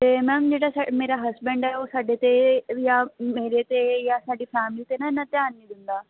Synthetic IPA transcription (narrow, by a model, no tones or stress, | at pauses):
t̪eːmɛ̃ːmd͡ʑeːɽasameːɾaɦɐsbɛ̃ɳɖaɦeosaːɖet̪ejameːɾet̪ejasaːɖifɛːmlit̪enaɪnɐt̪jaːnːid̪ɪnd̪aː